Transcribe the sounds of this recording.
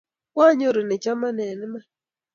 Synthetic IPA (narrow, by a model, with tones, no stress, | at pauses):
kwa˦ɲo˦ɾo˨nɛ˨t͡ʃa˦ma˦nɛ˨n˦ma˦